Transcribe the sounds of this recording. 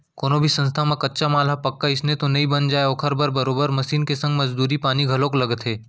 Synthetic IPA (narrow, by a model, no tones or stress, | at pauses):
koːnobʱisɐ̃ns̬t̪ʰamẽkɐtːʃamaːlɦapɐkːaɪsnet̪onɐĩbɐnd͡ʒaːeoːkʰəɾbəɾbɐɾoːbəɾmɐʃiːnkesɐ̃ŋɡmɐd͡ʒd̪uːɾipaːniɡʱɐlõkolɐɡət̪ɦeː